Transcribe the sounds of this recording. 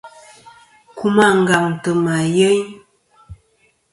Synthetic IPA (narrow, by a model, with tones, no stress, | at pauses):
ku˦ma˦˨ŋ˨ɡa˨mtə˨ma˨jə˦ɲ